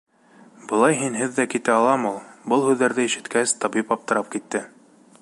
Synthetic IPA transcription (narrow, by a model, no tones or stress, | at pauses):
bɤ̆lˠɑjɦinɦɘðːækit̪æɑlˠɑmulˠbɤlˠhʉðːæɾðɘiʃɘ̆t̪kæst̪ɑbipɑp̚t̪ɤ̆ɾɑp̚kit̪ːɘ